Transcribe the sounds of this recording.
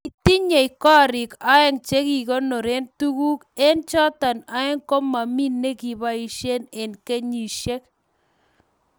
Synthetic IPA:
i˨t̪i˦ɲe˨i˨kɔ˦˨ɾɪ˨ka˦ɛ˦ŋt͡ʃe˦ki˨ko˦nɔ˨ɾe˦ntu˦ku˦ke˦nt͡ʃɔ˦t̪a˨na˦ɛ˦ŋkɔ˦ma˨mi˦nːe˦ki˨ba˦i˨ʃe˦ne˨nke˦ɲi˨ʃe˦k̚

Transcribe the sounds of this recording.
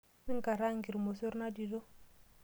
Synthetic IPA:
nɪ˦ŋ̩˦ka˨ɾa˦ŋ̩˨ɡi˨ɾi˨mo˨so˦ɾna˦di˨do˦

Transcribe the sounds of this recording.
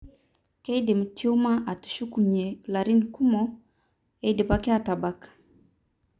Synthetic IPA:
kɛ˦i˦de˨m̩˨tʰi˦u˦ma˦ʔa˨tu̥˨ʃu˦ku˨ɲɛ˨la˨ɾi˦ni˨ku˦mɔ˦ | ɛ˦i˦de˨pa˦kɛ˦a˨ta˨ba˦kḁ˨

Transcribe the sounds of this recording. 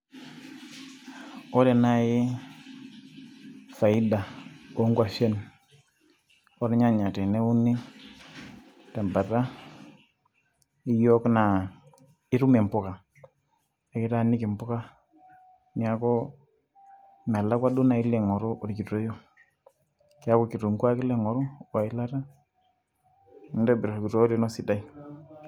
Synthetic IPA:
ɔ˦ɾɛ˨na˦jɪ˦ | fa˨ɪ˦da˨o˦ŋɡwa˨fe˦n | ɔ˦ɾɛ˦ɲa˦ɲa˨tɛ˨ne˦u˦ni˦ | tɛ˨mba˨ɾa˦ | ɪ˦jɔ˦kna˨ | ɪ˦ɾu˦me˨mpʊ˨ka˨ | e˨kɪ˦ta˦˨ni˦ki˨mpʊ˦ka˦ | ni˦a˨kɔ˦ | ma˨la˦kwa˦du˦na˨ɪ˦le˨ŋɔ˨ɾo˦ʔo˨ɾki˨to˦jo˦ | ki˦a˦ko˨ki˨ɾo˨ŋkwa˦kɪ˦le˦˨ŋɔ˨ɾo˦wa˨ɪ˦la˦ɾa˦ | nda˦bɪ˨ɾo˨ɾki˨ɾo˦ɾi˦nɔ˦si˨da˦i˦

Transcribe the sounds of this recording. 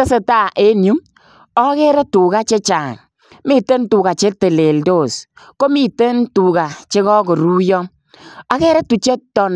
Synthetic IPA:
e˦se˨ta˦˨ʔe˦nju˦m | ɔ˦kɛ˦ɾɛ˦tu˨ka˦t͡ʃe˦t͡ʃaː˨ŋ | mi˦tə˦ntu˨ɡa˨t͡ʃe˦te˨le˨ldo˦˨s | ko˦mi˦tə˦ntu˨ɡa˨t͡ʃe˦kɔ˦ko˨ɾu˦jɔ˦ | a˦kɛ˦ɾɛ˦tu˨t͡ʃe˦tɔ˨n

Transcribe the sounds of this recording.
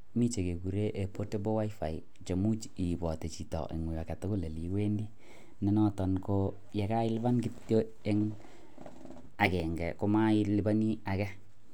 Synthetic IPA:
mi˦t͡ʃe˨ke˨ku˨ɾe˦ʔe˨po˦te˦bo˦wa˦ifa˨i˨ | t͡ʃe˨mu˦t͡ʃi˨bɔ˨te˨t͡ʃi˨tɔ̰˨ʔḛ˨ŋu˨a˨ka˨to˦ko˦le˨li˨we˦ndi˦ | nɛ˨nɔ˦tɔ˨nko˦ | jɛ˨ka˦ɪ˦lβa˦nki˦tjo˦ | e˦ŋ | a˨kɛ˨ŋɡɛ˨ko˦ma˦i˦lɪ˦ba˦ni˦a˨kɛ˦

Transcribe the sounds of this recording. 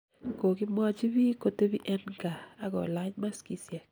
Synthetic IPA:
ko˨kɪ˦ma˦t͡ʃi˦βi˦ko˦te˦βi˦ʔɛ˦nŋɡaː˨kɔ̰˨la˦ɲma˦ski˨sjɛ˨k̚

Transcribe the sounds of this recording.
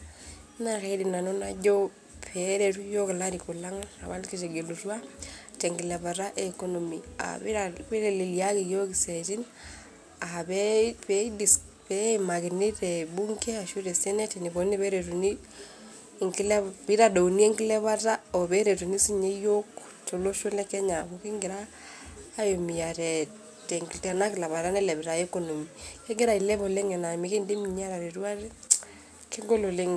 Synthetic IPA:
na˨ɣeidi˨na˨no˦na˦ɟo˦ | peɾe˨tu˦jo˦ke˨la˦ɾiku˨la˦ŋa˨βa˦ndi˦ki˦ʃe˨ɡe˨lu˨ɾwa˦ | te˨ŋɡi˨le˨βa˨ɾa˦ʔeko˦no˨mi˨a̰aβe˦ɾe˨li˨lia˦ki˨jo˦ki˨se˨ti˦n | aβepedi˨s | pe˦ima˨ki˨ni˦ɾebu˦ŋke˦a˨ʃu˦ɾe˨se˦ne˦ti˨ni˨βo˨ni˦βe˦ɾe˨ɾu˨ni˦ | ŋki˦lɛ˦bi˦ɾa˨do˨u˨ni˦e˦ŋki˦lɛ˦βa˦ta˦o˨βɛ˦ɾe˨tu˨ni˦si˦ɲe˦jo˦k | to˨lo˦ʃo˦lɛ˦kɛ˦ɲa˨βo˨ki˦ŋɡɪ˨ɾaː˦ | jo˨mi˨ja˨ɾɛ˨ | tɛ˨ŋɡi˨tɛ˨na˦kɪ˨la˨βa˨ɾa˦nɛ˦lɛ˨βɛ˨ɾa˨ɛ˦ko˨no˨mi˨ke˦ɡe˦ɾa˨i˨lɛ˦βo˨le˦ŋɛ˨na˨mi˨ke˦nde˦mi˨ɲa˦ɾa˨ɾe˨ɾu˦a˦ɾe˦ | ke˦ŋɡo˦lo˨le˦ŋ

